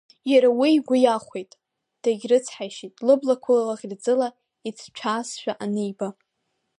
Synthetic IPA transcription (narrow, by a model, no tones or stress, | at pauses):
jaɾawijɡʷʊjaχʷejtʼ | d̥aɡʲrɨt͡sʰħajʃitʼlɨblakʷʰallaχʲrd͡zɨla | it͡sʰt͡ʃʷʰaːsʃᶣaʔanɨjba